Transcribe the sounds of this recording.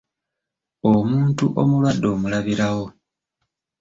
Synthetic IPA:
o̞muːntuʔo̞mulwadːo̞ːmulaβiɾawo̞

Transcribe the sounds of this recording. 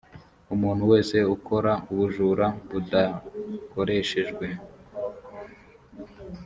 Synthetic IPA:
umuːn̤̥huwe̞ːse̞ukʰo̞ɾauβuʒuːɾaβudako̞ɾe̞ʃe̞ʒɡwe̞

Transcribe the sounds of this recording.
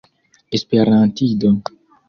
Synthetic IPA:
espeɾãnt̪id̪o

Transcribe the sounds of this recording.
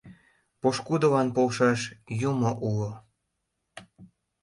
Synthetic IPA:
poʃkud̪olɑnpolʃɑʃjumoʔulo

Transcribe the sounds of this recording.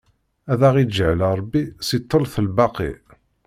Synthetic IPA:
æðæʁid͡ʒəʕləɾˤɑbːisit̪ˤːəlθəlbɑqḭ

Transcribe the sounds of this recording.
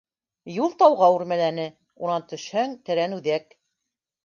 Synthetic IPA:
julˠt̪ɑwʁɑʉɾmælænɘ | unɑnt̪ɵ̆ʃhɘŋt̪ɘ̆ɾænʉðæk

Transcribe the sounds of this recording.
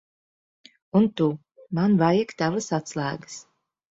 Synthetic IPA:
unt̪u | manvajikt̪avəsat̪slˠæːɡɨs

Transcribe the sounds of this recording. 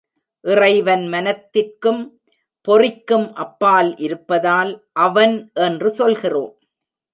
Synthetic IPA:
ʔɪrɐɪʋɐnmɐnɐt̪ːɪrkɯm | pɔrɪkːɯmʔɐpːaːlʔɪɾɯpːɐðaːlʔɐʋɐnʔɛndrɯsɔlɣɪroːm

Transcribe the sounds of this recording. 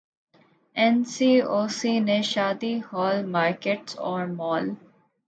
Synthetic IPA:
ɛ̃nsiːoːsiːnẽʃaːd̪ihɔːlmaːɾkeʈsɔ̰ːɾmɔːl

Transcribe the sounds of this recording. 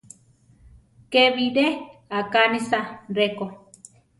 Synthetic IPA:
keβideakanisaɾeko

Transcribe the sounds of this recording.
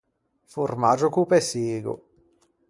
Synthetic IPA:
furmad͡ʒokupɛseːɡo̰

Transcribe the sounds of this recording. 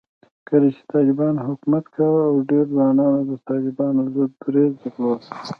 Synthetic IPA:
kəlet͡ʃe̥t̪ɑlɪbɑnɦʊkmat̪kawawɖeɾzwɑnɑnod̪ət̪ɑlɪbɑnozod̪̚ɡɾezd̪əklo

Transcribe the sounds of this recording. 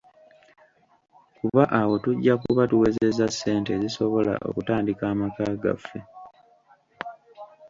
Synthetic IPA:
kuβaʔawo̞tuɟːakuβatuwe̞ze̞zasːe̞ːnteziso̞βo̞la̰ʔo̞̰kutaːndikaːmakaɡa̰fːe

